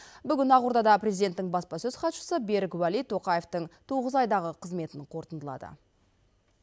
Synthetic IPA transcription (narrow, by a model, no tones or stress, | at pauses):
bʏɡʲɪnɑʁuɾd̪ɑd̪ɑpɾʲezijd̪e̞nt̪ːɪŋbɑspɑsɵzχɑt̪ʃə̥səbe̞ɾɪkwælijt̪ʰo̞qɑje̞ft̪əɴt̪ʰoʁəzɑjd̪ɑʁəqʰəzme̞t̪ɪɴqʰo̞ɾt̪ənd̪əlˠɑ̰d̪ə̰